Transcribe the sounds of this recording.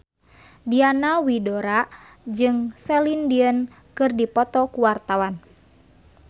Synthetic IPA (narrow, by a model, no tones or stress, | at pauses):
dianawidoɾa | d͡ʒɨŋsɛlindiən | kɨrdipɔt̪ɔkuwart̪awan